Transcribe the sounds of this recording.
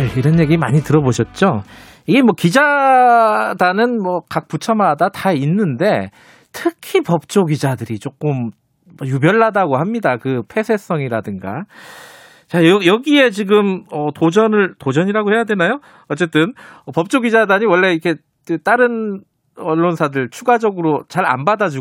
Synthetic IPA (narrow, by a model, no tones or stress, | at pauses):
jeiɾʌnje̞ɡima̰ɲitɯɾʌboɕʰʌt̚t͡ɕ͈o | iɡemwʌkid͡ʑa | danɯnmwʌkak̚p͈ut͡ɕʰʌmadatainːɯnde̞ | tʰɯkʰipʌp̚t͡ɕ͈oɡid͡ʑadɯɾit͡ɕ͈ok͈ɯm | ʌjubjʌɭːadaɡohamɲidakɯpʰe̞sʰe̞s͈ʌŋiɾadɯŋɡa̰ | t͡ɕajʌjʌɡie̞t͡ɕiɡɯmʌtod͡ʑʌnɯɭtod͡ʑʌɲiɾaɡohejadwe̞najo | ʌt͡ɕ͈e̞t͈ɯnʌpʌp̚t͡ɕ͈oɡid͡ʑadaɲiwʌɭːe̞ikʰe̞ | ɯt͈aɾɯn | ʌɭːonsʰadɯɭt͡ɕʰuɡad͡ʑʌɡɯɾot͡ɕaɾa̰nbadad͡ʑu